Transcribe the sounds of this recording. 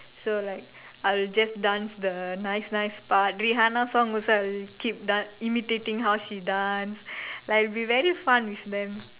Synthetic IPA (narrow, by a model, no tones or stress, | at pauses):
solaɪk̚ | aɪld͡ʒasdãnsd̪ənaɪsnaɪspat̚ɹiɦanasɔ̃ŋɔsoaɪlkʰip̚dãimitetĩŋɦawʃidãnslalbivɛɹifãnwiθd̪ɛ̃m